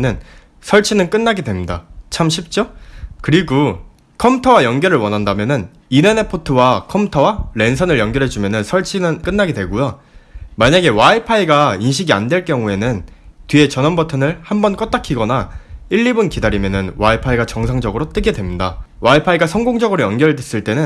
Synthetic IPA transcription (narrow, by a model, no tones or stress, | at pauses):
nɯn | sʰʌɭt͡ɕʰinɯnk͈ɯnːaɡedwe̞mɲida̰t͡ɕʰamɕʰip̚t͡ɕ͈okɯɾiɡo | kʰʌmtʰʌwajʌŋɡjʌɾɯɭwʌnɦandamjʌnɯn | inenepʰotʰɯwakʰʌmtʰʌwaɾe̞nsʰʌnɯɭjʌŋɡjʌɾɦe̞d͡ʑumjʌnɯnsʰʌɭt͡ɕʰinɯnk͈ɯnːaɡedwe̞ɡujo | maɲaɡe̞waipʰaiɡainɕ̬ʰiɡia̰ndwe̞ɭk͈jʌŋue̞nɯntɥie̞t͡ɕʌnʌnbʌtʰɯnɯɭhambʌnk͈ʌt̚t͈akʰiɡʌnaiʎːibunkidaɾimjʌnɯnwaipʰaiɡat͡ɕʌŋsʰaŋd͡ʑʌɡɯɾot͈ɯɡe̞dwe̞mɲida̰waipʰaiɡasʰʌŋɡoŋd͡ʑʌɡɯɾojʌnɡjʌɭdwes͈ɯɭt͈e̞nɯn